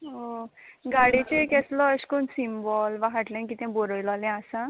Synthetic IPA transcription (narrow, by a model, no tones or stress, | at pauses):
ɦoɡaɽit͡ɕekɛslɔəɕkonsimbɔlʋãɦaʈlɛ̃nkit̪ɛ̃boɾəjlɔlɛ̃asã